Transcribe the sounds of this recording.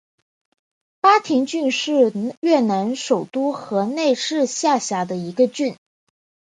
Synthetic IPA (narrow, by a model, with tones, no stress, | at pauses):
pa˥t̪ʰi˧˥ŋt͡ɕy˥˧nʂɻ̩˥˧ɥɛ˥˩na˧˥nʂo˨˩ʊt̪u˥xɤ˧˥ne˥˧ɪʂɻ̩˥˧ɕja˥˩ɕja˧˥d̪ə˧i˧˥ɡə˧t͡ɕy˥˩n